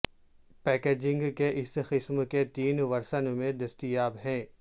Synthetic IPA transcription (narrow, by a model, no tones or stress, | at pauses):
pɛːkeːd͡ʒɪ̃ŋɡkeʔɪsxɪsmket̪iːnʋɐɾsənmẽd̪ɐst̪ijaːbɦɛ̃ː